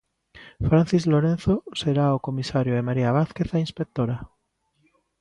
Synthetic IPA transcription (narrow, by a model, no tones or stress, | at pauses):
fɾãn̟θizloɾen̟θoseɾaokomisaɾjoemaɾiaβ̞aθkeθainspek̚t̪oɾa